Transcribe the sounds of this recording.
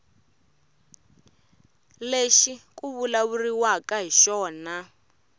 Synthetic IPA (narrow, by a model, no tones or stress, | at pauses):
leʃikuβulaβuriwakaɦiʃɔːna